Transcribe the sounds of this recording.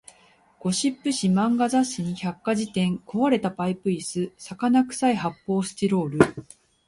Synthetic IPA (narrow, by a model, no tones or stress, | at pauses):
ɡ̥o̞ɕipːɯ̟ɕimãŋɡazaɕɨɲ̟içakːaʑit̪ẽ̞ŋko̞βaɾe̞t̪apaipɯ̟isɨsakanakɯ̟̥saihapːo̞ːsɨ̥t̪iɾo̞ːɾɯ̟